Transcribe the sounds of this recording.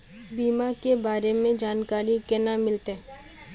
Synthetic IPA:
biːmakebaːɾemẽd͡ʒaːnkaːɾikɛnamɪlt̪ɛ

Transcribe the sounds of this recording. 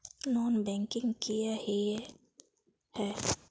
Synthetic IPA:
nɔːnbɛ̃ŋkɪ̃ŋɡkijahi | hɛː

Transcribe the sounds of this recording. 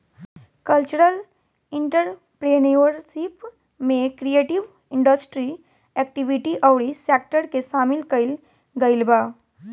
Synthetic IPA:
kəlt͡ʃuɾəl | ɪ̃ɳʈəɾ | pɾeniʋəɾsip | mẽkɾieːʈiʋ | ɪ̃ɳɖəsʈɾi | ɛk̚ʈiʋiʈiʔəwɽiseːk̚ʈəɾkesaːmɪlkəɪl | ɡəɪlbaː

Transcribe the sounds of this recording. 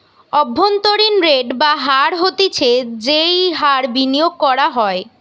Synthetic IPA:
ɔbʱːont̪oɾinɾeɖbaɦaɾɦot̪it͡ɕʰed͡ʑejɦaɾbinijoɡ̚kɔɾaɦɔe

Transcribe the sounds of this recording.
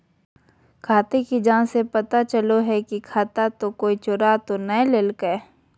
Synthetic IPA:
kʰaːt̪ekid͡ʒãːnsepɐt̪at͡ʃəloɦɛkikʰaːt̪at̪okoːit͡ʃʊɾat̪onəeleːlkəe

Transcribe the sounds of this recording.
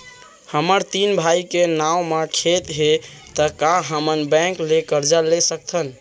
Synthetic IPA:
həməɾt̪inbʱaikenawmekʰet̪ɦe | t̪əkãɦəmənbɛ̃klekəɾd͡ʒalesək̚t̪ʰən

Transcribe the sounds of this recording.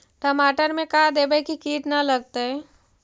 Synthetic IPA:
ʈɐmaːʈəɾmẽkaːd̪eːbəjkikiːʈnɐlɐɡ̚t̪eɦɛ

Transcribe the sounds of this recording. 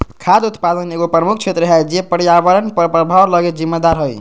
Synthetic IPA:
kʰad̪ut̪pad̪əneɡopɾəmukʰt͡ʃʰet̪ɾɦɛd͡ʒepəɾjaβəɾənppɾəbʱawləɡet̪d͡ʒimːed̪aɾɦoj

